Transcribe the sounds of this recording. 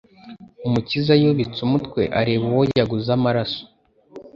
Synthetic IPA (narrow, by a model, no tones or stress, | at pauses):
umucizajoβit͡sumutkwe̞ʔaɾeβuwojaɡuzamaɾaso̥